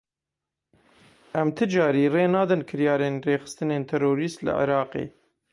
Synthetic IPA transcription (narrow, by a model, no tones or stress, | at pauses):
ʔæmt̪ʰɨd͡ʒɑːɾiːreːnɑːd̪ɨnkʰɨɾjɑːɾeːnreːxɨ̥st̪ɨneːnt̪ʰɛɾoːɾiːst̪lɨ̰ʕɪ̰ɾɑːqḛː